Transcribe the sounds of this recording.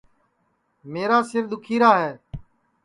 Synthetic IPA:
meːɾaːsɪɾd̪ʊkʰiːɾaːɦɛː

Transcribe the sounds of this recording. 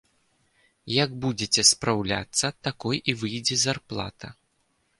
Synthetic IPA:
jɐɡbud͡zʲet͡sʲɛspɾawlʲa̰t̪sːɐt̪akɔjʔivɨjd͡zʲɛzarplˠa̰t̪ɐ̰

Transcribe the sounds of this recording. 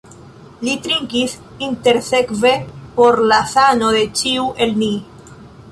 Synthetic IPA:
lit̪ɾiŋkiθ | int̪eɾθekvepoɾlaθanoðet͡ʃiwʔelni

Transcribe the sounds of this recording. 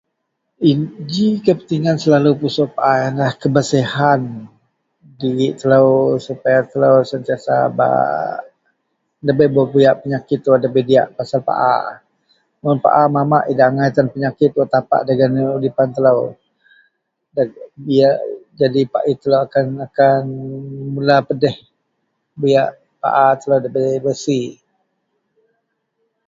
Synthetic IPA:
id͡ʒikəpət̪iŋansəlalupusɔʔpaʔajanlahkəbəsihan | diɣɪʔt̪ələwsupajat̪ələwsənt̪iasa̰ba̰ | dəbəjbobujaʔpəɲakɪt̪ːuwadəbədia̰ʔpasalpa̰ʔa̰ | mʊnpa̰ʔamamaʔidaʔŋajt̪anpəɲakɪt̪̚wat̪apa̰ʔdaɡanudipant̪ələw | dbiaʔd͡ʒadipa̰ʔit̪ələwakanakanmulapədɛh | bijaʔ | pa̰ʔat̪ələwdəbəbəsi

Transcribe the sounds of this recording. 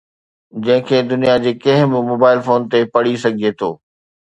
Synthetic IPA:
d͡ʑɐ̃ɦɪ̃kʰeːd̪ʊnijad͡ʑeːkɐ̃ɦɪ̃bɪmoːbaːɪlfoːnt̪epɐɽisɐɡʱiet̪ʰoː

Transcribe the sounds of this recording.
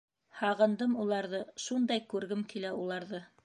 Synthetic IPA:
hɑʁɤ̆nd̪ɤmulˠɑɾðɤʃund̪ɑjkʉɾɡɘmkilæulˠɑɾðɤ

